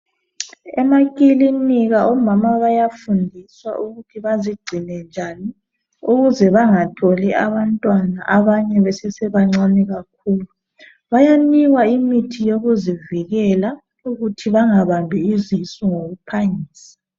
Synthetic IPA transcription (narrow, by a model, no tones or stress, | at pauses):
ɛmakʼiliniɣaʔɔmamaβajafundʱiswa̰ʔuɣutʰiβaziɡ͡ǀʱinɛnd͡ʒʱani | uɣuzɛβaŋatʰoliʔaβantʼwanaʔaβaɲɛβɛsɛsɛβaŋ͡ǀanɛɣak̚ʰuːlu | βajaniɣwaimitʰijoɣuziviɣɛla | uɣutʰiβaŋaβambʱiizisɔŋoɣupʰaŋiːsḁ